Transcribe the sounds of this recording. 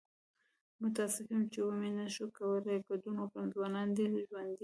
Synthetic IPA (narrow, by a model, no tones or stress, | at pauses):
mʊt̪ɑsɪfimt͡ʃewomenaʃokawəleɡad̪unopamzwɑnɑnd̪ed̪ʒwand̪i